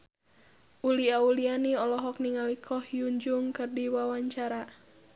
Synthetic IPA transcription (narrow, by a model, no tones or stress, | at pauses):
ʔuliaulianiɔlɔɦɔk̚niŋalikʰɔhjuɲd͡ʒuŋkɨrdiwawaɲt͡ʃaɾa